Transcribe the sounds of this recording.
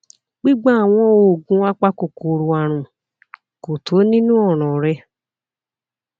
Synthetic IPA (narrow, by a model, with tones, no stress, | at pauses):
ɡ͡bi˦ɡ͡ba˦a˨w̃ɔ̃˦o˨ɡũ˦a˦k͡pa˦ko˨ko˨ɾo˨a˨ɾ̃ũ˨ | ko˨tʰo˨˦nĩ˦nũ˦ɔ˦˨ɾ̃ɔ̃˨ɾɛ˧